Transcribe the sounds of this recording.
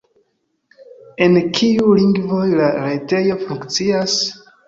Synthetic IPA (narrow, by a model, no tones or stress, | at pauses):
enkʰiuliŋɡvojlaɾetejofuŋkt͡sias